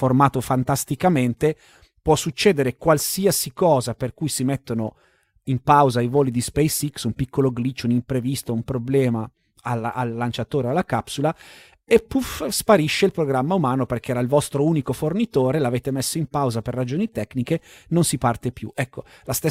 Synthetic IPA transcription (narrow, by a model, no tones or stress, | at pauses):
formaːt̪ofant̪ast̪ikament̪e | pwɔsːut͡ʃːɛːd̪eɾekwalsiasikɔːzaperkujsimet̪ːono | impawzaajvoːlid̪ispɛjsiksumpikːoloɡlit͡ʃounimpɾevist̪oumpɾoblɛːma | alaʔalːant͡ʃat̪oːɾealːakapsula | epːufspaɾiʃːeilpɾoɡɾamːaumaːnoperk̟eɛːɾailvɔst̪ɾouːnikofornit̪oːɾelaveːt̪emesːoimpawzaperːad͡ʒoːnit̪ɛkːnikenonsipart̪epjṵɛkːolast̪e